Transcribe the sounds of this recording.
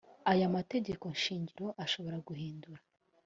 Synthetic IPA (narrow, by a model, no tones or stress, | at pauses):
ajamate̞ɟe̞ko̞nʃiːɲɟiɾo̞ʔaʃo̞βo̞ɾaɡuhiːnduɾa